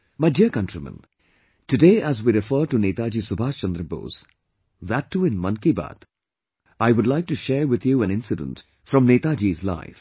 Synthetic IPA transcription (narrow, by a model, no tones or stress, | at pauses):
maɪdiəkʌ̃ntɾimə̰̃n | tɨdeːæzwiːɾɪfəːʈuneːt̪ad͡ʒiːsʊbʱaːʃt͡ʃə̃nd̪ɾəbo̰ːz̥ | ðætʰːuɪ̃nmʌ̃nkiba̰ːt̪ | aɪwʊdlaɪk̚tuʃɛɾwɪd̪juæ̃nɪ̃nsɪdə̰̃nt | fɾɔ̃mneːt̪ad͡ʒiːzla̰ɪf